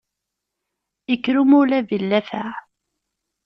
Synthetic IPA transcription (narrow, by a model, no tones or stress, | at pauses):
əkːɾumʊlævilːæfæ